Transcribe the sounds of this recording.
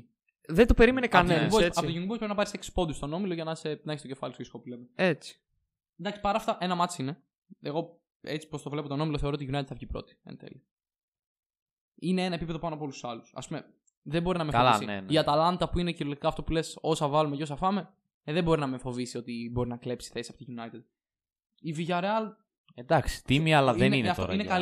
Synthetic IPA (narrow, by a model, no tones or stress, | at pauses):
ðed̪opeɾimenekɐnboɐpot̪oʝunbupoɾinɐpɐɾisekspond̪ust̪o̞no̞miloʝɐnɐsepnɐçest̪ocefɐlistoisi̥kopulemeet͡si̥ | nd̪ɐksi̥pɐɾɐːft̪ɐʔe̞nɐmɐt͡siine | eɣo̞ | et͡si̥po̞st̪o̞vle̞pot̪onomiloθeɾot̪iʝunɐjt̪t̪θɐfçipɾo̞̰t̪i̥ḛnθḛli | ineenɐepip̬e̞ðo̞pɐnoɐpoo̞lussɐlusɐ̰spume̞ | ðemboɾinɐmeolɐisinenʝɐt̪ɐlɐnd̪ɐpuineciɾolit̪i̥kɐft̪o̞pule̞so̞sɐvɐlumeceo̞s̬ɐfɐme̞ | ðebo̞ɾinɐmefo̞visio̞t̪ibo̞ɾinɐkle̞psi̥θesɐpot̪iʝunɐjt̪ed̪ | iviʝɐɾeɐl | ed̪ɐksi̥t̪imiɐlɐðenineɐftoɾinekɐ